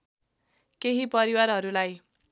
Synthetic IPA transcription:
keɦipʌɾiwarɦʌɾulaj

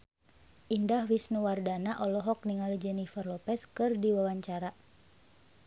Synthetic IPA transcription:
ʔindahwisnuwardanaʔɔlɔɦɔk̚niŋalud͡ʒɛnifərlɔpɛskɨrdiwawaɲt͡ʃaɾa

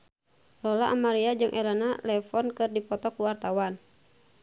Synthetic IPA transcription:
lɔlaʔamaɾiad͡ʒɨŋʔɛlanalɛfɔnkɨrdipɔt̪ɔkuwart̪awan

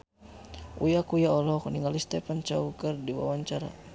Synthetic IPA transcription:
ujakujaɔlɔkniŋɡalist̪ɛpant͡ʃaukərdiwa̰waɲt͡ʃaɾa̰

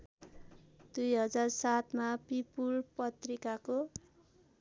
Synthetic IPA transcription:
d̪ujɦʌd͡zarsat̪mapipulpʌt̪rikako

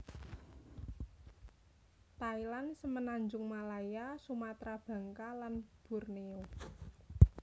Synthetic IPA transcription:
t̪ailansəmənaɲd͡ʒʊŋmalajasumat̪ɾab̥ä̤ŋkalanb̥ṳrneo

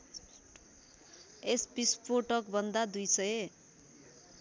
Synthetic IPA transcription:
espispoʈʌk̚bʱʌnd̪ad̪ujsʌje

